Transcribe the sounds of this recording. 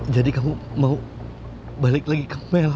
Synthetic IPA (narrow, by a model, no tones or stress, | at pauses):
d͡ʒadikamumau | balɪk̚laɡikəmɛl